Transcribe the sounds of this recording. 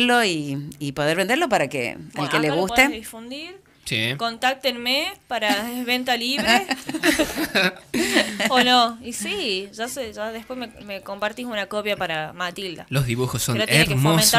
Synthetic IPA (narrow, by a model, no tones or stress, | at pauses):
lo̞iːpo̞ð̞eɾβend̪eɾlo̞paɾakḛa̰lkeleɣust̪eðifund̪iɾ | siko̞nt̪ak̚t̪enmepaɾaeβent̪aliβe | onoisiʒaseʒaðehpwe̞smemeko̞mpaɾt̪isunakopjapaɾamat̪ild̪a̰lozðiβuxosːoneɾat̪eeɾemomẽna